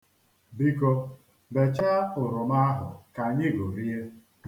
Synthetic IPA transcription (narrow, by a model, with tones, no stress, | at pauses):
bi˦ko˦ | be˨t͡ʃa˦ʊ˨ɾʊ˨ma˦a˦ɦʊ̰˨ka˨ɲɪ˦˨ɡo˨ɾi˦e˦